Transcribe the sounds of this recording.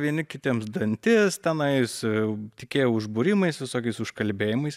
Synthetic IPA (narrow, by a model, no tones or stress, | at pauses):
ʋʲiɛnʲɪkʲɪt̪ʲimsd̪ɐnʲt̪ʲɪst̪ʲɛnɐɪst̪ʲɪkʲeːjɛʊʊʒbʊɾʲɪmɐɪsʋʲɪsoːkʲɛɪsʊʃkɐlʲbʲeːjɪmɐɪs